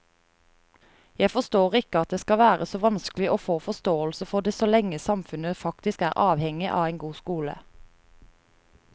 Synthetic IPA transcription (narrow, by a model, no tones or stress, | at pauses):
jæɪfɔʁst̪oːʁɪkəɑt̪̚d̪eːskɑʋæːʁəsoːʋɑnsklɪʔoːfoːfɔst̪oːəlsəfɔʁd̪eːsoːlɛŋəsɑmfʉnəfɑkt̪ɪskæːʁʔɑːʋhɛŋɪʔɑ̰ːʋæɪnɡuːskuːlə̰